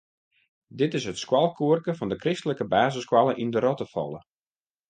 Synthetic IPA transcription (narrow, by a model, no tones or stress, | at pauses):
dɪtɪsɦətskwalˠkʰuərkəfɔndəkrɪstələkəbaːzəskwalˠəʔindəɾɔtəfɔ̰lˠə